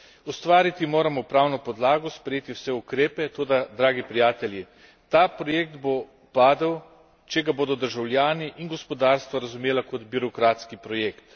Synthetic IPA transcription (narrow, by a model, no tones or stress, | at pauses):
ust̪ʋaːɾit̪imoːɾamɔwpɾaːwnɔpɔd̪laːɡɔspɾɛjeːt̪iwsɛukɾeːpɛt̪oːd̪ad̪ɾaːɡipɾijaːt̪ɛlji | t̪aːpɾɔjeːk̚d̪bo | paːd̪aw | t͡ʃɛɡaboːd̪ɔd̪əɾʒawljaːniʔinɡɔspɔd̪aːɾst̪ʋaɾazumjeːlakɔd̪biɾɔkɾaːt̪skipɾɔjeːkt̪